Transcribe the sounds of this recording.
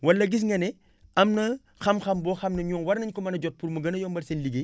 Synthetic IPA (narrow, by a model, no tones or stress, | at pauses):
wɐlːɐɡis̬ŋɡɐnɛ | ɐmnɐ | xɐmxɐmbɔːxɐmnɐɲɔːŋwɐɾnɐɲkɔmɐnɐɟɔt̚puɾmɐɡɐnɐjɔmbɐlsɛnliɡe